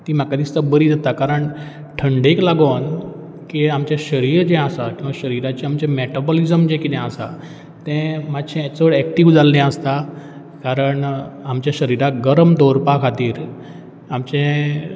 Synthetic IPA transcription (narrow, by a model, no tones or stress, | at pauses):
t̪iːmakad̪ist̪əbəɾid͡zat̪akaɾəɳ | ʈʰəɳɖeklaɡon | kiamt͡ɕeɕəɾiːɾd͡ʑẽasakĩʋaɕəɾiɾat͡ɕẽamt͡ɕẽmɛʈabɔlizəmd͡ʑekid̪ɛ̃əsa̰ | t̪ɛ̃mad̪ɕʰẽt͡səɽɛkʈiʋd͡zalnɛ̃əst̪a | kaɾəɳamt͡ɕjaɕəɾiɾaɡəɾəmd̪oɾpakʰat̪iːɾ | amt͡ɕẽ